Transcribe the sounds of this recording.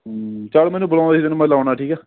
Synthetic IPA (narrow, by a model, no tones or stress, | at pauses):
t͡ʃaːɽmɛ̃ːnuːbəlãːd̪id̪enmɛ̃laːnaːʈʰiːkɛː